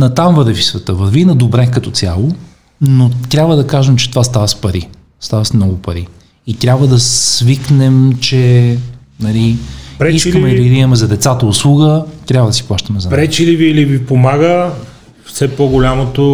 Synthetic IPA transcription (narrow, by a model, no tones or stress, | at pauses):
nɐt̪amvəɾvisvɛt̪əvəɾvinɐd̪obɾɛkɐt̪ɔt̪sʲja̰lˠo | not̪ɾʲabvəd̪ɐkaʒɛmt͡ʃɛ̥t̪ovast̪avɐspɐɾi | st̪avɐsmnɔɡʊpɐɾi | it̪ɾʲabvəd̪ɐsviknɛmt͡ʃɛ | nɐlipɾɛiskəmɛd̪ɐiɡɾijɐmɛzɐd̪ɛt̪sat̪əʊslˠuɡət̪ɾʲabvəd̪ɐsi̥plˠaʃt̪ɐmɛzɐpɾɛt͡ʃiliviːlivipomaɡə | fsɛpɔɡolʲamot̪o